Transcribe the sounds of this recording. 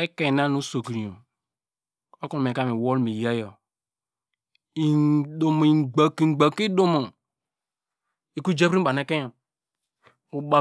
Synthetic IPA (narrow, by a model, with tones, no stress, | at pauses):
e˦ke˨na˦nu˦so˨kɾi˨o˨ | o˦ku˦˨m˨e˨ka˦mi˨wo˦lmi˨ja˦jo˨ | i˨do˨m˨i˨ɡ͡ba˨ki˦˨˦ɡ͡ba˨ki˦do˦mo˨ | i˨ku˦d͡ʒe˦bɾi˦ba˨ne˦ke˦o˨ | u˨ba˨